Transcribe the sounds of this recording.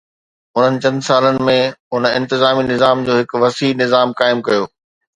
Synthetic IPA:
ʊn̤ənɪ̆t͡ɕɐ̃nd̪saːlənɪ̆mẽʊnɪ̃nt̪ɪzaːminɪzaːmd͡ʑoːɦɪkʋɐsiːnɪzaːmkaːɪmkɐjoː

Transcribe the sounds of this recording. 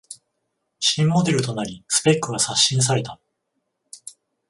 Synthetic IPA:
ɕĩmːo̞d̪e̞ɾɯ̟t̪o̞naɾʲisɨ̥pe̞kːɯɡasaɕːĩɰ̃s̬aɾe̞t̪a

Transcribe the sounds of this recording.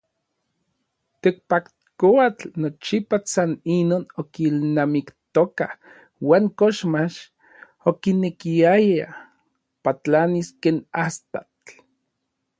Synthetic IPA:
t̪ek̚pak | koat͡ɬnot͡ʃipasaninoːnokilnamikt̪oka | waːŋkoʃmaʃ | okinekiaja | pat͡ɬaniskeːnast̪at͡ɬ

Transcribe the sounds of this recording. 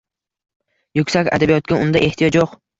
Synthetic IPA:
jʊkʲsakʲa̰d̪abijɒt̪̚kʲaʊnd̪aʔe̞ht̪ʰijɒt͡ʃjoq

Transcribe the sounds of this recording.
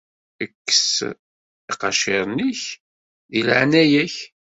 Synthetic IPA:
əkːə̥s | iqɑʃeɾˤniç | ðilʕnæjæç

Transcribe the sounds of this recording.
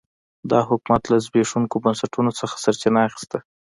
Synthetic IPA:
d̪ɑɦʊkumat̪lazbeʂuŋkobansaʈunot͡səxḁsaɾt͡ʃɪnaaxɪ̥st̪a

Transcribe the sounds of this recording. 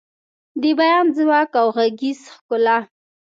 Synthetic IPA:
d̪əbajɑnzwɑkawɣaɡizxkʊla

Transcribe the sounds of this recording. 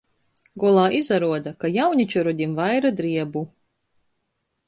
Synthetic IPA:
ɡɔlˠaːʔizaɾuɔd̪akajawɲit͡ʃɔɾɔd̪ʲimvajɾad̪ɾiɛbu

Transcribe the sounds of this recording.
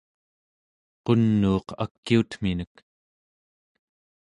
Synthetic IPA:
qo̞nːuːqa̰kːiut̪m̥inək

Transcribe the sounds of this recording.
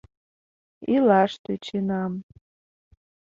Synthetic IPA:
ilaʂtʰɨt͡ʃʰinam

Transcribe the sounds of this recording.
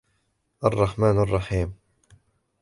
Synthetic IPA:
ʔɑrˤːɑħmaːnɑrˤːɑħiːm

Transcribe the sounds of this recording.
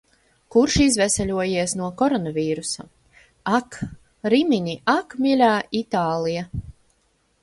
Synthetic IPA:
kuɾʃizvɛsɛlʲuɔjiɛsnuɔkɔɾɔnavʲiːɾusa | ak | ɾimiɲʲiʔakmʲilʲaːit̪aːlˠija

